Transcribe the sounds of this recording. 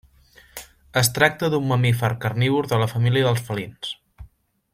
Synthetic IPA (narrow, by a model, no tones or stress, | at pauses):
əst̪ɾak̚t̪əðumːəmifəɾkərniβuɾðələfəmiliəðəlˠsfəlins